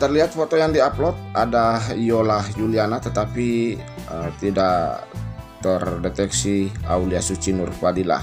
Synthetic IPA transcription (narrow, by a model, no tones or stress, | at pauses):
t̪ərliɦat̪̚fot̪ojaŋdiaplɔt̪̚adaɦijolahjulianat̪ət̪apiət̪idaʔ | t̪ərdɛt̪ɛksia̰uliasut͡ʃinʊrfadila̰h